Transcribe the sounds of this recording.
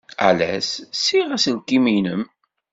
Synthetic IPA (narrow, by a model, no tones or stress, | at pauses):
æ̰læ̰ssiʁæslkːimijnəm